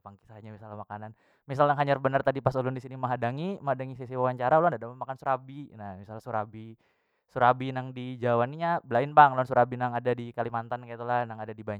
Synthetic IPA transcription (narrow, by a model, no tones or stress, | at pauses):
paŋki̥saɦaɲamisalamakanan | misalaɦaɲarbənərt̪adipasolʊndisiniməɦadaŋiməɦadaŋisisiwawaɲt͡ʃaɾaulandadapəmakansuɾabinahmisalasuɾabi | suɾabinaŋdid͡ʒawaniɲabəlaɪnbaŋlnsuɾabinaŋadadikalimant̪ankait̪ulahnaŋadadibaɲ